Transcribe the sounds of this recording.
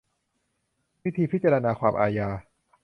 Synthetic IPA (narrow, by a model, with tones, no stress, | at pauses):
wi˦˥t̪ʰiː˧pʰi˦˥t̪̚t͡ɕa˧ɾa˧naː˧kʰwaː˧mʔa̰ː˧jaː˧